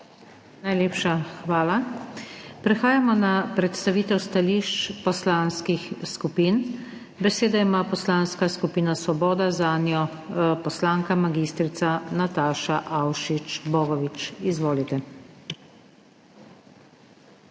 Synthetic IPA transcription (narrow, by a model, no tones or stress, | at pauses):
najleːpʃaxʋaːla | pɾɛxaːjamɔnapɾɛt̪st̪aʋiːt̪ɛwst̪aliʃt͡ʃpɔslanskixskupiːn | bɛseːd̪aimaːpɔslaːnskaskupiːnasʋɔbɔːd̪azaːnjɔ | pɔslaːŋkamaɡist̪ɾit̪sanat̪aːʃaʔawʃit͡ʃbɔːɡɔʋit͡ʃizʋoːlit̪ɛ